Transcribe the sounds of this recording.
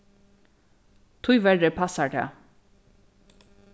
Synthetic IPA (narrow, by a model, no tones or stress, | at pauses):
t̪ʰʊjʋɛɹəpʰasaɹt̪ʰɛ̰ː